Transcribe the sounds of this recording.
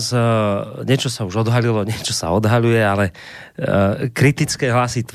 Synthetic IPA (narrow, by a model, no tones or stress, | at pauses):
z | ɲɛt͡ʃɔsauʒɔd̪ɦalilɔɲɪɛt͡ʃɔsa̰ɔd̪ɦaʎujɛalɛ | kɾit̪it͡skɛːɦlasit̪